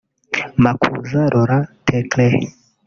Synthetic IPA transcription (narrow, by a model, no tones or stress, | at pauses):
makʰṵzaɾoɾatʰɛklɛ